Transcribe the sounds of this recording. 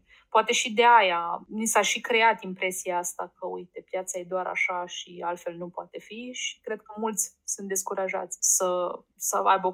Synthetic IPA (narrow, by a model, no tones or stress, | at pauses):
poat̪e̞ʃid̪eajanisaʃikɾe̞at̪impɾe̞siaast̪akəujt̪e̞pjat̪saje̞d̪oaɾa̰ʃaʃialt̪fe̞lnupoa̰t̪e̞fiʃi̥kɾe̞d̪̚kəmult̪sʲsunt̪̚d̪eskuɾaʒa̰t̪sʲsəsəa̰jbəo